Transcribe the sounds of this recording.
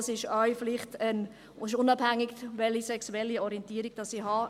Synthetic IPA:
sɪʃœʏflɪχtən | ɪʃʊnɑb̥hæŋːiɡʋɛlisɛksuɛlːiɔɾiɛntiːəɾiɡ̥̚d̥ɑsihɑ

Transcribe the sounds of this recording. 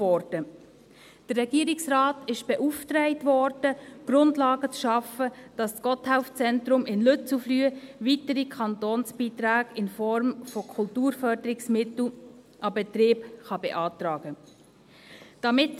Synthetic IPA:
ɔɾd̥ə | d̥ərːɛɡiəɾɪksrɑːtɪʃb̥ɛʔuftɾɛɪtvɔɾd̥əɡ̥ɾʊndlɑːɡət͡sʃɑfəd̥ɑssɡ̥ɔthaʊft͡sɛntɾʊmɪnløt͡suflyːəvitəɾikʰχɑntoːnsb̥iːtɾaːɡɪnfɔɾmfɔkʰʊltuːɾfœɾdəɾɪksmɪtl̩ | ʔɑbɛtɾeːbχɑbɛʔɑːtɾɑːɡ̥ə | d̥ɑmɪt

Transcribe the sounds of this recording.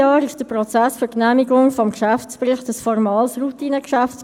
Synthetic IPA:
ɑːɾɪʃd̥əprɔt͡sæsfʏɾknæmiɡʊŋfɔmkʃæft͡spɾɪχtəsfɔrmɑːlsrutiːnəkʃæft͡s

